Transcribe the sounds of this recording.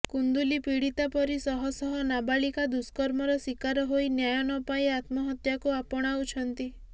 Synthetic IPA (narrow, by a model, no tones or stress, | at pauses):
kund̪ulipiɽit̪apɔɾisɔɦɔsɔɦɔnabaɭikad̪uskɔɾmɔɾɔsikaɾɔɦojnjajɔnɔpajat̪mɔɦɔt̪jakuapɔɽ̃aut͡ʃʰɔnt̪i